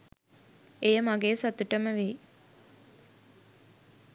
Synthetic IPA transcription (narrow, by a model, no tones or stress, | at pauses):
ejəmaɡeːsat̪uʈəməʋiː